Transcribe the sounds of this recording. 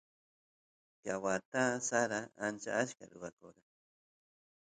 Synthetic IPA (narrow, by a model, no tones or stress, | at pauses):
kjawat̪asaɾaant͡ʃa̰aʃka̰ɾʊɾakoɾa